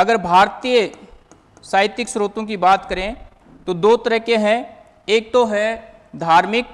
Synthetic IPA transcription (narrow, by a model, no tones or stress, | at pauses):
ɐɡəɾbʱaːɾt̪ijə | saːɪt̪ɪksɾoːt̪õk̬ibaːt̪kɐɾẽ | t̪od̪oːt̪əɾəɦkeɦɛ̃ | eːk̚t̪oɦɛ | d̪ʱaːɾmɪk̚